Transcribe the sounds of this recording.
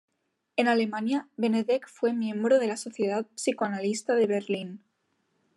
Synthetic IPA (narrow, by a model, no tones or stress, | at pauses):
e̞nale̞manjaβe̞neðekfwe̞mjẽ̞mbɾoðe̞laso̞θje̞ðat̪̚psikoanalist̪aðe̞βeɾlin